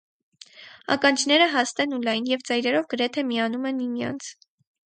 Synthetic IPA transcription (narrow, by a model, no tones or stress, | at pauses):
ɑ̰kɑnt͡ʃʰnɛɾəɦɑst̪ɛnulɑjnjɛvd͡zɑjɾɛɾɔvɡəɾɛt̪ʰɛmiɑnumɛnːimjɑ̰nt͡sʰ